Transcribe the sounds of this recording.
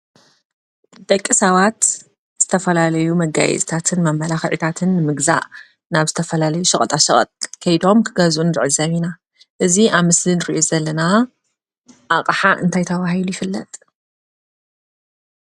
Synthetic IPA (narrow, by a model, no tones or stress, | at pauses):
d̪̥ɐkʼːisɐβat̪ | z̥ɨt̪ʰɐfɐlalɐjumɐɡa̰jɛ̰zt̪ʰat̪ʰɨnmɐmːɐlaxʕit̪ʰat̪ʰɨnːɨmɨɡza̰ʔ | naβzɨt̪ʰɐfɐlalɐjuʃɨχʼɐt̪ʼaʃɨχʼt̪ʼkʰɐjd̪o̞mkʰɨɡɐzunɨɾʕɨzɐβina | ʔɨziʔaβmɨslinɨɾiʔozɐlːɐna | ʔaqʼħaʔɨ̰nt̪ʰajt̪ʰɐβahilujɪfɨlːɐ̰t̪ʼ